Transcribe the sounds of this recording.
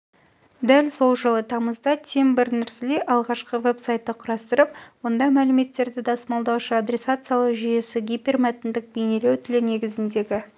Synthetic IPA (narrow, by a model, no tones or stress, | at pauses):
d̪ælso̞lˠʒəlˠət̪ʰɑməzd̪ɑt̪ʲʰe̞mbɪɾnɪɾsɪleʔɑlˠʁɑʃqəve̞psajt̪ːəqʰʊɾɑst̪əɾəpwo̞nd̪ɑmælɪme̞t̪ːe̞ɾd̪ɪd̪ɑsəmɑlˠd̪ɑwʃəad̪ɾʲe̞sat̪sɨjalˠəqʒʏje̞sɪɡʲipermæt̪ɪnd̪ɪk̚bejne̞le̞wt̪ʰɪlɪne̞ɡʲɪzɪnd̪e̞ɡʲɪ